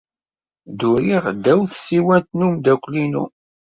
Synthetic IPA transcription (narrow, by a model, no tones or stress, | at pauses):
d̪ʊɾiʁd̪æwθsiwænt̪numd̪ækʷːlinṵ